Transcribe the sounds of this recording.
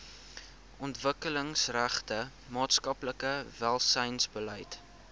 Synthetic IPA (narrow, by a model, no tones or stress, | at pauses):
ɔntvəkələŋsræχtə | mɑːtskɐpləkəvælˠsəjnsbələjt